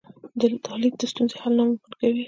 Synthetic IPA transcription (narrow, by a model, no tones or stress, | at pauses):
d̪ət̪ʰɑlib̚d̪əst̪unzehalnawwəɾkawi